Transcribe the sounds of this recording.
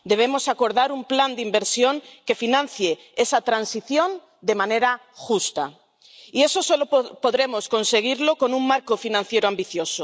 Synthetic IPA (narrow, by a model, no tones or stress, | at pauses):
d̪e̞β̞e̞mosako̞ɾðaɾumpland̪imbe̞ɾsjo̞ŋke̞finãn̟θje | esat̪ɾansiθjo̞n | d̪e̞mãne̞ɾa | xust̪a̰ | ie̞sosolopo̞ðɾe̞mo̞sko̞nse̞ɣ̞iɾloko̞nũŋmaɾkofinãnθje̞ɾoambiθjo̞so